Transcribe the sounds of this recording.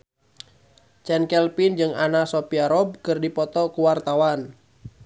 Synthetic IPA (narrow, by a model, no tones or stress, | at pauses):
t͡ʃɛnkɛlpind͡ʒɨŋanasopiaɾɔb̚kɨrdipɔt̪ɔkuwart̪awan